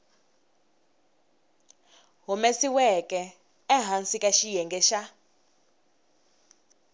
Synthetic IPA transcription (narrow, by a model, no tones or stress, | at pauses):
ɦumɛsiwɛkɛː | ɦansikʼaʃijɛŋɡɛʃa